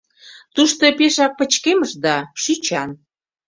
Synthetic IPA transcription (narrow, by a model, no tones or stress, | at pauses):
t̪uʃt̪opeʃɑk̚pə̆t͡ɕkeməʃd̪ɑʃyt͡ɕɑn